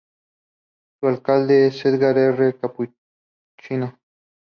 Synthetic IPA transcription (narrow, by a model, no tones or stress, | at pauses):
sualkald̪esed̪ɡaɾerekapu | t͡ʃina